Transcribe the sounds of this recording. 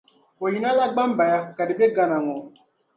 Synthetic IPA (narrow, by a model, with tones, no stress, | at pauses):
o˨ji˨˦na˦la˦ɡ͡ba˦m˦ba˨ja˦ka˨di˨be˦ɡa˨na˨ŋɔ˨